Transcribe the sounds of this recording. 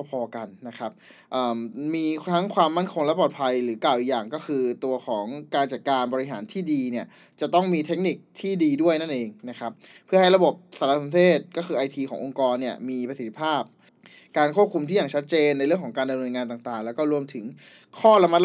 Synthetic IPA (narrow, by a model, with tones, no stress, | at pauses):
pʰɔː˧ka˧nːa˦˥kʰa˦˥p̚ | ʔɤː˨˩mːiː˧t̪ʰa˦˥ŋkʰwaː˧mːa˥˩nkʰo˧ŋlɛ˦˥pɔː˨˩t̪̚pʰa˧jɾɯː˩˦kaː˨˩wʔi˨˩kjaː˨˩ŋkɔː˥˩xʰɯː˧t̪u˧ɐkʰɔː˩˦ŋkaː˧nt͡ɕa˨˩kaː˧nbɔː˧ɾi˦ɦa̰ː˩˦nt̪ʰiː˥˩diː˧ni˥˩ɐ | t͡ɕa˨˩t̪ɔ˥˩ŋmiː˧t̪ʰe˦˥k̚ni˨˩k̚t̪ʰiː˥˩diː˧du˥˩əjna˥˩nʔeː˧ŋna˦˥kʰa˦˥ppʰːɯ˥˩ha˥˩jɾa˧bo˨˩p̚saː˨˩˦la˧˥sa˨˦nt̪ʰeː˥˩t̪̚kɔː˥˩xʰɯː˧ʔa˧jt̪ʰiː˧kʰɔ̰ː˩˦ŋʔo˧ŋkɔː˧nːi˥˩ɐmiː˧pɾa˧si˨˩t̪ʰːi̥˦˥pʰaː˥˩p̚ | kaː˧nkʰu˥˩p̚kʰu˧mt̪iː˥˩jaː˨˩t͡ɕʰa˦˥t̪̚t͡ɕeː˧nːa˧jɾɯ˩əŋkʰɔː˩˦kaː˧nda˧mnɤː˧nŋaː˧nt̪aː˨˩ŋt̪aː˨˩ŋlɛː˦˥wkɔː˥˩ɾu˧əmt̪ʰɯ˩˦ŋ | kʰɔː˥˩la˧ma˦˥t̪̚l